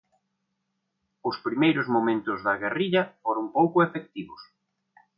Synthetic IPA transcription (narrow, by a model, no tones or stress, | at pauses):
ʊspɾimejɾʊzmomẽnt̪ʊzðɐɣeriʎɐfoɾʊŋpowkʊefek̚t̪iβʊs